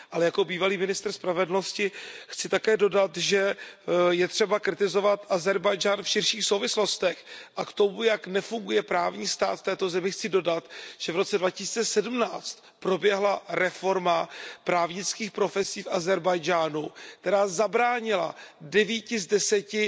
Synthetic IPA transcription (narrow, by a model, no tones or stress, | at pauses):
ʔalɛjako̞biːvaliːmɪnɪst̪r̩spɾavɛdl̩no̞scɪxt͡sɪt̪akɛːdo̞dat̪ʒɛ | jɛt̪r̝̥ɛbakɾɪt̪ɪzo̞vat̪ʔazɛɾbajd͡ʒaːnfʃɪrʃiːxsowvɪslo̞st̪ɛxʔakt̪o̞mujaknɛfuŋɡujɛpɾaːvɲiːst̪a̰ːt̪ft̪ɛːt̪o̞zɛmɪxt͡sɪdo̞dat̪ʒ̥ɛvɾo̞t͡sɛdvacɪsiːt͡sɛsɛdm̩naːt͡st̪ | pɾo̞bjɛɦlaɾɛfo̞ɾmapɾaːvɲɪt͡skiːxpɾo̞fɛsiːfazɛɾbajd͡ʒaːnuk̚t̪ɛɾaːzabɾaːɲɪla̰dɛviːcɪzdɛsɛcɪ